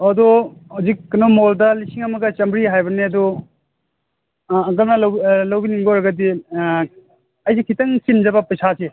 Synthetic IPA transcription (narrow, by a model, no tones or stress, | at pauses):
ɐduhuwzikːɐnomoldɐlisiŋɐmɐɡɐt͡ʃɐmbɾiɦajbɐneɐdu | ɐkɐlnɐlwlɐwbiniŋɡoɾɐɡɐdi | ɐjsikʰitɐŋsind͡ʒɐbɐpɐjsʰase